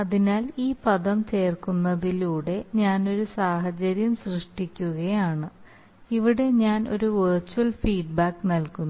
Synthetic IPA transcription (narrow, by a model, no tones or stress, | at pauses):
ɐðinaːliːpɐðɐmt͡ɕe̞ːrkunːɐðiluːɽe̞ɲaːno̞ɾusaːɦɐt͡ɕɐɾjɐmsrɨʂʈikʲːuɣɐjaːɳɨ | iʋiɽe̞ɲaːno̞̰ɾuʋɨrt͡ɕːuwɐlfiːɖbaːkːnɐlkunː